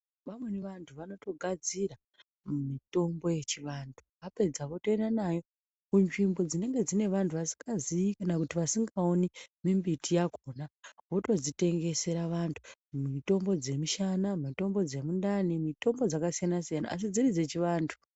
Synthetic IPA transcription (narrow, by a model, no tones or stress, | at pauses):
ʋamwe̞neʋantʰuʋano̞to̞ɡʱad͡zira | mumito̞mbo̞je̞t͡ʃiʋaːntʰu̥ʋape̞d͡zaʋo̞to̞endanajo̞ | kunʐimbo̞d͡zine̞ŋɡe̞d͡zine̞ʋantʰuʋasi̥ŋɡazijikanakutiʋasiŋɡaonimimbitʰijakʰo̞naʋo̞to̞zite̞ŋɡe̞se̞ɾaʋantʰu̥mito̞mbo̞d͡ze̞miʃanamito̞mbo̞d͡ze̞mundanimito̞mbo̞d͡zakasijanasijana̰ːs̬id͡zirid͡ze̞t͡ʃiʋaːntʰu̥